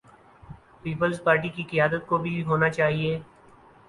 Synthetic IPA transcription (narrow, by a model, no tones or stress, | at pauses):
piːpəlzpaːɾʈikikɪjaːd̪ət̪̚kobʱiɦoːnat͡ʃaːɦieː